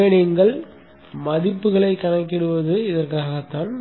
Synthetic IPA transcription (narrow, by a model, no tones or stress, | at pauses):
ɳɪŋɡɐɭ | mɐðɪpːɯɣɐɭɐɪkːɐnɐkːɪɽɯʋɐðɯɪðɐrkaːɣɐt̪ːaːn